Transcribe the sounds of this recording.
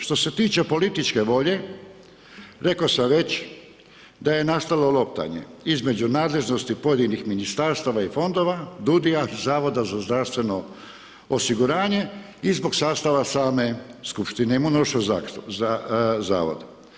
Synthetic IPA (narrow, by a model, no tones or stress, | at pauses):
ʃt̪o̞se̞t̪iːt͡ʃe̞po̞lit̪it͡ʃke̞ʋo̞ʎe̞ | ɾe̞kosamʋe̞t͡ɕ | d̪aje̞nast̪alo̞lˠo̞p̚t̪a̰ɲe̞̰izme̞d͡ʑunaːd̪le̞ʒnost̪ipo̞je̞d̪inixminist̪aɾst̪aʋaifo̞nd̪o̞ʋad̪ud̪iazaːʋo̞d̪azazd̪ɾaʋst̪ʋe̞no̞ | osiɡuɾaːɲe̞ | izbo̞ɡsaːst̪aʋasaːme̞skupʃt̪ineimunoʃoaza̰ːʋo̰d̪